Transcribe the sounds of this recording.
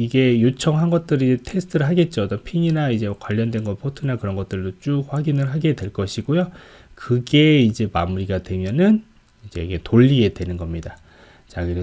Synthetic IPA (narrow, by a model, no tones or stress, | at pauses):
iɡe̞jot͡ɕʰʌŋɦanɡʌt̚t͈ɯɾid͡ʑetʰe̞sʰɯ̥tʰɯɾɯɭɦaɡe̞t̚t͡ɕ͈oʌt͈ʌnpʰiɲinaid͡ʑe̞kwaʎːʌndwe̞nɡʌnpʰotʰɯnakɯɾʌnɡʌt̚t͈ɯɭdot͡ɕ͈uɸwaɡinɯɭɦaɡe̞dwe̞ɭk͈ʌɕʰiɡojo | kɯɡe̞id͡ʑe̞mamuɾiɡadwe̞mjʌnɯn | id͡ʑe̞̰iɡe̞toʎːiɡe̞dwe̞nɯnɡʌmɲida | t͡ɕakɯɾe